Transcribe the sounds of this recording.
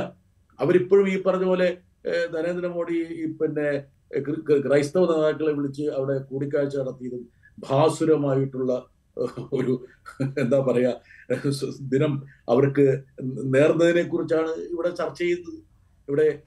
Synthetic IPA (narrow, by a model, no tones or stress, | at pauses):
ɐʋɐɾipːo̞ːɻumiːpːɐrɐɲːubo̞ːle̞ | t̪ɐneːnd̪inɐmo̞ːɽiipinːe̞ | kkrɐjst̪ɐʋɐnɐðaːkːɐɭeʋiɭit͡ɕːɨɐʋiɽe̞kuːɽikʲːaːɻt͡ɕːɐɐɽɐt̪ːijɐðum | bʱaːsuɾɐmaːjiʈːuɭːɐ | oɾu | e̞nd̪aːpɐrɐjaː | d̪inɐmɐ̰ʋɐrkɨne̞ːrnːɐðine̞kːurit͡ɕːaːɳɨiʋiɽe̞t͡ɕɐrt͡ɕːejunːɐðɨ | iʋiɽe̞